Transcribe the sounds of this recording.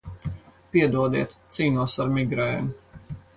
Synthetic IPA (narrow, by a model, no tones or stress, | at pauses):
piɛd̪uɔd̪iɛt̪t̪siːnuɔsaɾmiɡɾɛjɛm